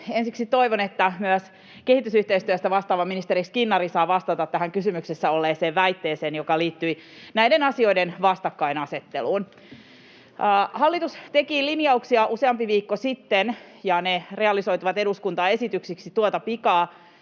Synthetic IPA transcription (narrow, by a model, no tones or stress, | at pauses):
ensiksit̪o̞iʋonet̪ːæmyæs | ke̞hit̪ysyht̪eist̪yæst̪æʋɑst̪ɑːʋɑminist̪eɾiskinːɑɾisɑːʋɑst̪ɑt̪ɑt̪t̪ːæɦæŋkysymyksesːæolːeːseːʋæit̪ːeːseːnjokɑliːt̪ːyinæjdenɑsio̞idenʋɑst̪ɑkːɑinɑse̞t̪ːe̞luːn | hɑlːit̪ust̪e̞kiːlinjɑuksiɑʔuse̞ɑmpiʋiːkːosit̪ːenjɑnere̞ɑliso̞jt̪uʋɑt̪e̞duskunt̪ɑe̞sit̪yksiksit̪uot̪ɑpikɑː